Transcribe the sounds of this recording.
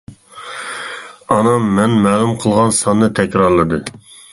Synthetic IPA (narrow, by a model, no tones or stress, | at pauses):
ɑnɑmːɛnmɛːlˠumqʰəlˠʁɑnsɑnːɨt̪ʰɛkʲɾɑɾlˠɨd̪ɨ